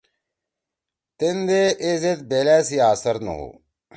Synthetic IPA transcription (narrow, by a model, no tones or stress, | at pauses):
t̪end̪eʔezet̪beːlæːsiaːsɐɾnɐ̰ɦṵː